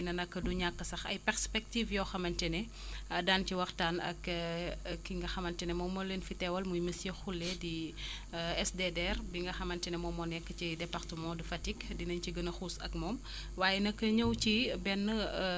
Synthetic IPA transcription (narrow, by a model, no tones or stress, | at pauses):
nɐnɐkːəduɲakːɐsɐxɐ̰jpɛrspɛk̚tiːfjɔːxɐmɐntɛnɛ | ɐdaːnciwɐxtaːnɐ̰k | kːiŋɡɐxɐmɐntɛnɛmɔmːɔlenfitɛwɐlmujmisjexulːɛdi | ɛsdedɛrbiŋɡɐxɐmɐntɛnɛmɔmɔnɛkːəcidɛpɐrtəmɔ̃ːdifɐtikdinɐɲciɡɐnɐxusɐk̚mɔːm | waːjɛnɐkːəɲəwcibɛnːə